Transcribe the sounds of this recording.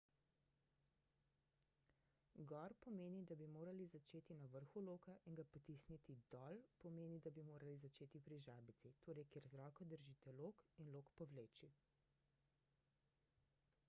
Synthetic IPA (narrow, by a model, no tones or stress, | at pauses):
ɡɔɾpɔmeːnid̪abimoːɾalizat͡ʃeːt̪inaʋəɾxuloːkaʔiŋɡapɔt̪isnit̪id̪ɔlpɔmeːnid̪abimoːɾalizat͡ʃeːt̪ipɾiʒaːbit̪sit̪ʰoːɾɛjkeːɾzɾɔːkɔd̪əɾʒit̪ɛloːkinloːkpɔʋleːt͡ʃi